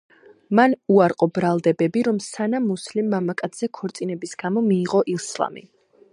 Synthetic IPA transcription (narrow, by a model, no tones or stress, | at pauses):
manuaɾqʼɔbɾalˠd̪ɛbɛbiɾɔmsanamuslimːamakʼat̪sz̥ɛkʰɔɾt̪sʼinɛbisɡ̥amɔmiːʁɔʔilˠslˠa̰mḭ